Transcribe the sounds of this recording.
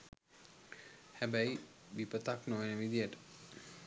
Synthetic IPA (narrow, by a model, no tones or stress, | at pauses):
hæbæjʋipət̪aknoenəʋid̪ijəʈə̥